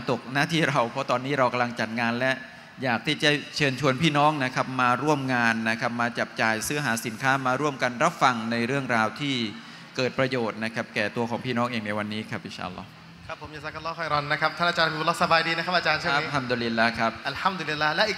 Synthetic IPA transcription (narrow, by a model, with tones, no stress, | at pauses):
t̪o˨˩k̚naː˦˥˩t̪ʰiː˥˩ɾa˧wpʰɔ˦˥t̪ɔː˧nːiː˦˥ɾa˧wka˧mla˧ŋt͡ɕa˨˩t̪̚ŋaː˧nlɛ˦˥ʔ | jaː˨˩k̚t̪ʰiː˥˩t͡ɕa˨˩t͡ɕʰɤː˧nt͡ɕʰu˧ənpʰiː˥˩nɔː˦˥ŋna˦˥kʰa˦˥p̚maː˧ɾu˥˩əmŋaː˧nːa˦˥kʰa˦˥p̚maː˧t͡ɕa˨˩p̚t͡ɕaː˨˩jsɯ˦˥ɐɦaː˩˦si˩˦nkʰaː˦˥maː˧ɾu˥˩əmka˧nɾa˦˥p̚fa˧ŋna˧jɾɯ˥˩əŋɾaː˧wt̪ʰiː˥˩ | kɤː˨˩t̪̚pɾa˧joː˨˩t̪̚na˦˥kʰa˦˥p̚kɛː˨˩t̪u˧əkʰɔː˩˦ŋpʰiː˥˩nɔː˦˥ŋʔeː˧ŋna˧jwa˧nːiː˦˥kʰɾa˦˥p̚ʔi˨˩nt͡ɕʰa̰ː˧ʔlːɔ̰ː˦˥ | kʰa˦˥pʰːo˩˦ja˨˩sa˦˩ka˧lːɔː˦˥˩kʰɔ˥˩jɾɔ˧nːa˦˥kʰa˦˥p̚t̪ʰa˥˩na˧˩t͡ɕaː˧na˦u˧lːɔː˦˥sa˧baː˧jdiː˧na˥kʰa˦˥pʔaː˧t͡ɕaː˧nt͡ɕʰɯ˥˩˦ha˦˥md̪u˧li˧lːa˦˥kʰa˦˥p̚ʔa˨lha˦˥md̪u˧li˧lːaː˥lɛ˦ʔi˨˩